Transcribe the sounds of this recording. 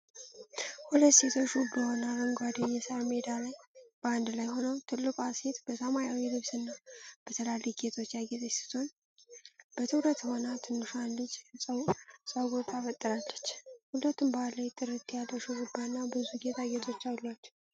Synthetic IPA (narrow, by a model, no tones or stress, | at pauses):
hulət̪ːse̞t̪ʰo̞t͡ʃːɡbəhonaβəŋɡʷad̪ɨɲːɛsaɾmed̪alajb̥əand̪lajho̞nəwt̪ʰɨlːɨkʼase̞t̪bəsəmajawilɨβsɨnːab̥ət̪ʰəlaliɡet̪ʰo̞t͡ʃːjaɡet̪ʼəsɨ̥t̪ʰo̞n | b̥ət̪ʰɨwɾət̪monat̪ʰɨnːɨʃalːət͡ʃːsʼwsʼəwɡot̪ʰafət̪ʼːɨɾalːət͡ʃːhulət̪ːumbaləjt̪ʼɨɾɨt̪ʰːjalːəʃuɡubanːabɨzuɡet̪ʰaɡet̪ʰo̞t͡ʃːawlːat͡ʃːɛ̥w